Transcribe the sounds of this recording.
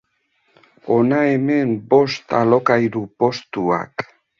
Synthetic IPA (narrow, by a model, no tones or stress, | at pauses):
onaeme̞mbo̞st̪alo̞kajɾupost̪ua̰k